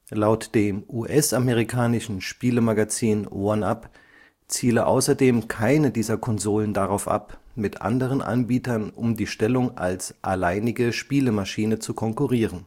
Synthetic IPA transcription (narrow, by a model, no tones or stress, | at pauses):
laʊtd̥eːmʔuːʔɛsʔameʁ̞ikʰaːnɪʃn̩ʃpiːləmaɡat͡siːnʔo̰ɐnap | t͡siːləʔa̰ʊsɐdeːmkʰaɪnədiːzɐkʰɔnzoːləndaʁaʊfʔa̰pmɪtʔa̰ndəʁ̞ənʔa̰nbiːtɐnʔʊmdiːʃtɛlʊŋʔa̰lsʔalaɪnɪɡəʃpiːləmaʃiːnət͡sukʰɔŋkuʁiːʁən